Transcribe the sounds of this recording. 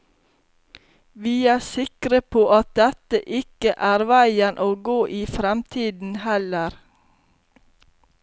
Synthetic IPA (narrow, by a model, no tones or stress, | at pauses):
ʋiːæːsɪkɾəpʰoːʔɑt̪̚d̪ɛt̪əʔɪkəʔæːɾʋæɪənʔoːɡoːʔiːfɾɛmt̪ʰiːd̪n̩hɛləɾ